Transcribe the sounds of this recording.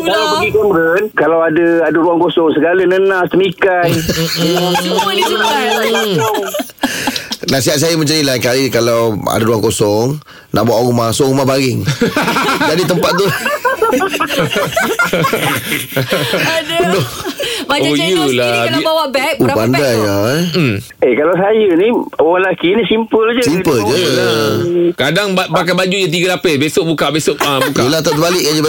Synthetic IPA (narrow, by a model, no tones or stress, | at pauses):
aəɡikɔmɾənkalawadaadaɾuaŋkosɔŋsəɡalənənãst̪əmikaj̩ | nãsiɦat̪̚sajaməɲt͡ʃanilakalikalawa̰daɾuaŋkosɔŋ | na̰ʔbuawɣumasoumabaɾɪŋ | d͡ʒadit̪əmpat̪̚t̪u | ənɔ | ojulaiawabɛubandajam̩ | ekalawsajəniwalakinisimpəld͡ʒəsimpəld͡ʒə | kadaŋbamakanbad͡ʒud͡ʒat̪̬iɡəlapəbesoʔbukaʔbesoʔabukkaulaht̪at̪əbalɪʔkad͡ʒəb